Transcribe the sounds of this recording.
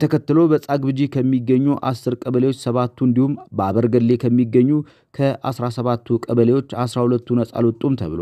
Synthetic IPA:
t̪ʰəkʰət̪ːɨlobəsʼaɡbɨd͡ʒikʰəmːiɡːəɲːuʔa̰sːɨɾkʼəβəlewot͡ʃːsəβat̪ʰːuɨnd̪ihumbəaβəɾɡəd̪le̞kʰəmːiɡːəɲːu | kʰəʔa̰sɾasəβat̪ːukʼəβəlewo̞t͡ʃːasɾahulət̪ːunəsʼa̰lot̪ʼːumt̪ʰə̰βɨlo̰

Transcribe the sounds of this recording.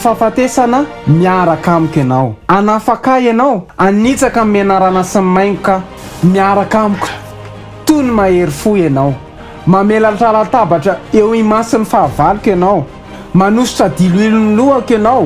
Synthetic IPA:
fafat̪esanə | miaɾakamikʲanawanafakaenawanit͡sakəmenaɾanasammajŋika | miaɾakamikʲə̥ | t̪unimaeɾifuenaw | mamelaʈ͡ʂalat̪abaʈ͡ʂəewimasinifavalukʲanaw | manusu̥ʈ͡ʂəd̪iluiluniluakanaw

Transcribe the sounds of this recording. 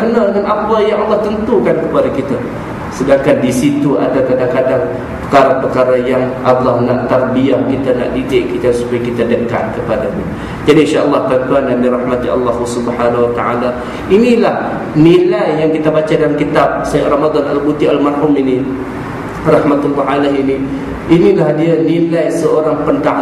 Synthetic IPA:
kənadəŋanapajaŋɑlːɑht̪ənt̪ukankəpadakit̪a | sədaŋkandisit̪ua̰dak̪adahkadaŋ | pə̥kaɾapəkaɾajaŋʔalːɑhnaʔt̪arbiah̚kit̪ana̰ʔdid͡ʒaʔkit̪ansu̥pajakit̪adəka̰t̪̚kəpadaɲa̰ | d͡ʒadinʃaʔɑlˠːɑhp̪əɾant̪uandandiɾɑhmat̪iɑ̰lːɑhusubħanahwat̪a̰ʕala | inilah | nilajjaŋkit̪abat͡ʃadalamkit̪ab̚sajaʔramad̪ɔnalbut̪ialmarhʊmini | rɑhmat̪anwaʕalaɦini | inilahdianilajsəoɾaŋpənt̪a

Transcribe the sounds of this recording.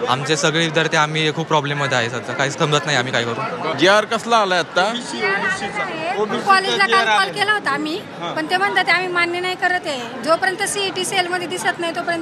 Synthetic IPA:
a̰mt͡ɕesəɡɭiːd̪əɾt̪eam̤iːekʰuːpɾɔblemːəd̪ʱːjaɦesad͡zakaɦiːsk̪ʰəmd͡zət̪naɦjam̤iːkaikəɾuːd͡ʑiaɾkəslaːlaat̪ːa | ekɔlelakalkɔlkelaɦot̪aːm̤iː | pəɳt̪em̤əɳt̪at̪eam̤iːmanjənajkəɾət̪ẽ | d͡zopəɾjənt̪əsiʈiːselməd̪ʱːjed̪isət̪naɦjt̪opəɾjən

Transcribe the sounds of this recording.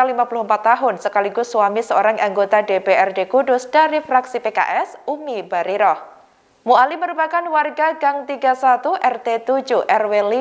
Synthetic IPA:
alimapulʊhmpat̪ːaɦʊnsəkaliɡʊsːuwamisəoɾaŋaŋɡot̪adebeɛrdekudʊsd̥aɾifɾaksipeka̰ʔɛsumibaɾiɾɔh | mualiməɾupakanwarɡaɡaŋt̪iɡasat̪uʔɛrt̪et̪ud͡ʒuhʔɛrweli

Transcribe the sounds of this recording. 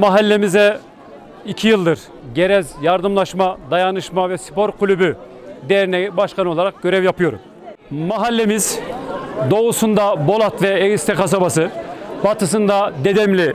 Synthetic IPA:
maɦalʲːemizɛ | icʰijɯlˠd̪ɯɾ | ɟe̞ɾɛzjaɾd̪ɯmlˠaʃmad̪ajanɯʃmavɛsi̥po̞ɾkʰulʲyby | d̪ejɾinɛbaʃkʰano̞lˠaɾak̚ɟ̥ø̞ɾɛvjapʰɯjo̞ɾṵm | maɦalʲːe̞miz | d̪o̞usund̪abo̞lˠat̪vɛɛist̪ʰɛkʰas̬abasɯbat̪ɯs̬ɯnd̪ad̪e̞d̪ɛmlʲi

